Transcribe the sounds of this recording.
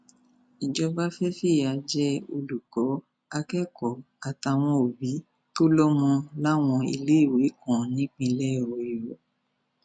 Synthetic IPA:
i˨d͡ʒɔ˧ba˦fɛ˦fi˦˨a˧d͡ʒɛ˦o˧lu˨kɔ˨˦ | a˧kɛ˦kɔ˨ | a˨ta˧˨w̃ɔ̃˧o˨bi˨˦ | to˦lɔ˦mɔ̃˧la˦w̃ɔ̃˧ḭ˨le˨˦i˦˨we˨˦kɔ̃˨nĩ˨˦k͡pĩ˧lɛ˦˨wɔ˨i˨wɔ˨

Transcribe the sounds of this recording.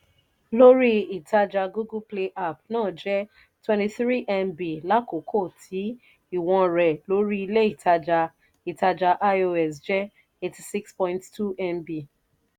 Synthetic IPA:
lo˦ɾi˦i˨ta˧d͡ʒa˧ɡu˦ɡu˦ple˧ʔa˦˨pnãː˦˨d͡ʒɛ˦ | twɛ̃nti˧θɾi˦ʔɛ˧mbi˨la˦ko˨kʰo˦˨tʰi˨˦ | i˦˨w̃ɔ̃˧ɾɛ˨lo˦ɾi˦i˧le˦i˦˨tʰa˧d͡ʒa˧ | i˨ta˧d͡ʒa˧ʔa˦o˧ɛ˨sd͡ʒɛ˦ | e˧ti˨si˦kspɔ̃˧ĩnttu˦ɛ˧mbi˨

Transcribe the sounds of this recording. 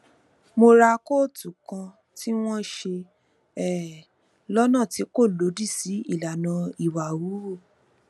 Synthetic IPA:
mo˧ɾa˧ko˦tu˨kã˧ | ti˦w̃ɔ̃˦ʃe˧ | ɛ˦˨ | lɔ˦nã˦˨ti˨˦ko˦˨lo˨˦di˦˨si˨˦i˦˨la˨nã˧i˨wa˨wu˨˦˨

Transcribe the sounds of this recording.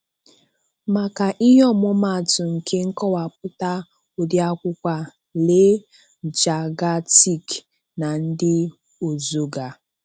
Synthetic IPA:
ma˨ka˨ʔi˦ɦɔ˦˨mʊ˦ma˦˨tʊ˨ŋ̩˨kʰe˦ŋ̩˦kɔ˦wa˨p̚ʊ˦ta˦ | o˨dja˦kʷʊ˦kʷa˦ | le˦ | d͡ʒa˨ɡa˦ti˦k | na˨n̩˦dɪ˦ | o˨zo˦ɡa˨

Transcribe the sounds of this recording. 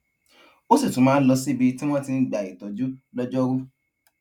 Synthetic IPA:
o˦si˦˨tũ˨˦mãː˨˧˦lɔ˧si˦˨bi˧ti˦w̃ɔ̃˦ti˧˦ɡ͡ba˨i˨tɔ˨˦d͡ʒu˦lɔ˦d͡ʒɔ˦ɾu˦

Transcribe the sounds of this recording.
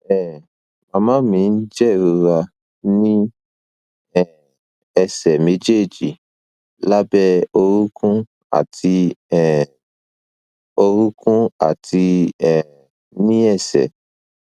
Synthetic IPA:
ɛ˦˨ | mã˧˨mã˦mĩ˧n̩˦d͡ʒɛ˦˨ɾu˧ɾa˧ | nĩ˦ | ɛ˦˨ | ɛ˧sɛ˨me˦d͡ʒe˦˨d͡ʒi˨ | la˦bɛ˦o˧ɾu˦kʰũ˦ | a̰˨tʰi˧ɛ˦˨ | o˧ɾu˦kũ˦a̰˦˨tʰi˧ɛ˨ | nĩ˦ɛ˦˨sɛ̰˨

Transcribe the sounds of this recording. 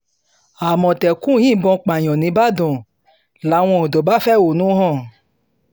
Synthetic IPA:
a˨mɔ̃˨tɛ˨kũ˦jĩ˦˨bɔ̃˧k͡pa˨j̃ɔ̃˨nĩ˨˦ba˦dɔ̃˨ | la˨˦w̃ɔ̃˧o˨dɔ˨ba˦fɛ˦˨wo˨nũ˦ɦɔ̃˦˨

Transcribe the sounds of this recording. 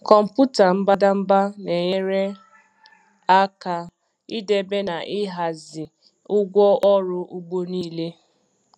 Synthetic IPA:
kɔ˨m̩˨pu˦ta˨m̩˦ba˦da˦m̩˦ba˦ne˨ɲe˦ɾe˦ | a˦ka˨ | i˦de˨be˦na˨ʔɪ˦ɦa˨zɪ˨ | ʊ˦ɡʷɔ˦ʔɔ˦ɾʊ˦ʔu˦ɡ͡bo˦niː˦le˦

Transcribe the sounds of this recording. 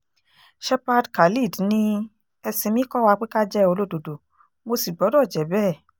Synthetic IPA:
ʃɛ˧pa˧dka˨li˦˨dnĩ˧ | ɛ˧sĩ˧mĩ˦kɔ˦wa˧k͡pe˦ka˦d͡ʒɛ˦o˧lo˦˨do˨do˨ | mo˧si˨ɡ͡bɔ˨˦dɔ˦˨d͡ʒɛ˨˦bɛː˦˨

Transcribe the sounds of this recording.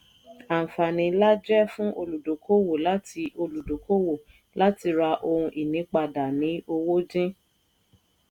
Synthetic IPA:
a˨fa˨nĩ˧la˦d͡ʒɛ˦fũ˦ʔo˧lu˨do˨˦kʰo˦wo˨la˦ti˧˦ʔo˧lu˨do˨˦ko˦wo˨ | la˦ti˧ɾa˧ʔo˧ɾũ˧ʔi˨nĩ˨˦k͡pa˧da˨nĩ˨˦o˧wo˦d͡ʒĩ˦

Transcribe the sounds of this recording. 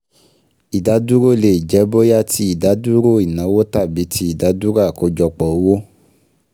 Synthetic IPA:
i˨da˨˦du˦ɾo˦˨le˨d͡ʒɛ˨˦bo˦ja˦˨tʰi˦i˦˨da˨˦du˦ɾo˦˨i˨nã˨˦wo˦ta˦˨bi˨˦tʰi˦i˦˨da˨˦du˦ɾa˦˨ko˧˦d͡ʒɔ˧k͡pɔ˨o˦wo˦

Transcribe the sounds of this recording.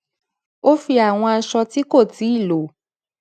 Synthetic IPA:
o˦fi˧a˨w̃ɔ̃˧a˧ʃɔ˧ti˦ko˦˨ti˨˦i˦˨lo˨˦

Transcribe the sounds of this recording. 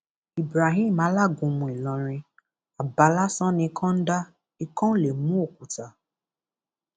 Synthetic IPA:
i˨bɾa˨ɦĩ˦˨m˨ã˨˦la˦˨ɡũ˧mũ˧˨i˨lɔ̃˧ɾ̃ĩ˧ | a˨ba˨˦la˦sɔ̃˦nĩ˧˦kʰɔ̃˦n̩˦da˦ | i˦kɔ̃˦le˨mũ˦o˦˨ku˨ta˨

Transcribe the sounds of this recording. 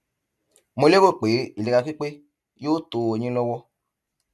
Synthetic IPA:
mõ˧le˦wo˦˨k͡pe˨˦i˨e˨˧ka˧fi˦k͡pe˦ | jo˦to˨o˨ɲĩ˦lɔ˧wɔ˧

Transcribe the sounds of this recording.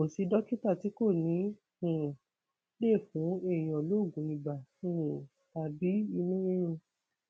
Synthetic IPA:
õ˨si˧dɔ˦ki˦ta˦˨ti˨˦ko˦˨nĩ˨˦ | ũ˨ | le˦˨fũ˨˦e˦˨j̃ɔ̃˨lo˦˨ɡũ˨˦ĩ˧ba˨ũ˨ | ta˨bi˨˦i˧nũ˦je˦ũ˧

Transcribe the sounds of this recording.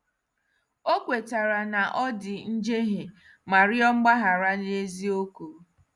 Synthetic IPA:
o˦kʷe˨ta˨ɾa˨na˨ʔɔ˦dɪ˨n̩˦d͡ʒe˦ɦe˨ | ma˨ɾɪ˦ɔ˦ŋ͡m̩˦ɡ͡ba˦ɦa˨ɾa˦ne˦zi˦o˦ku˨˦

